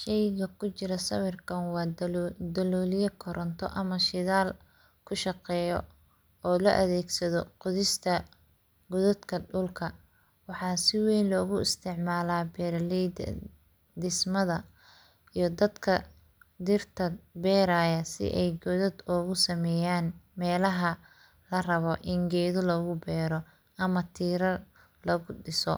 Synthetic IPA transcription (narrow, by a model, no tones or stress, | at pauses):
ʃɛjɣɐkʰʊt͡ʃɪɾɐsɐwɪrkʰɐnwɑːd̪ɐlɔːlɪjɐkʰɔɾʔɐnt̪ʰɔ̰ʔɐmɐʃɪðaːl | kʰʊʃɑqɛːjɔ | ɔːlɔʔɐðɛːɡsɐðɔqʊðɪst̪ʰɐ | ɡʊðd̪kʰɐɖʊlkʰɐ | wɑħɑːsɪwɛjnlɔːɣʊɪst̪ʰɪʕmaːlaːbɛɾlɛd̪̰ | d̪ɪsmɐðɐ | ijɞd̪ɐd̪kʰɐ | d̪ɪrt̪ʰɐbɛːɾaːjɐsɪ̰ʔɛjɡɔðɔd̪ɔːɣʊsɐmɛːjaːnmɛːlɐɦɐ | lɐrɐβɔʔɪŋɡɛːðɔlɔɣʊbɛːɾɔ | ʔɐmɐt̪ʰiːɾɐ | lɔɣʊɗɪsɔ̰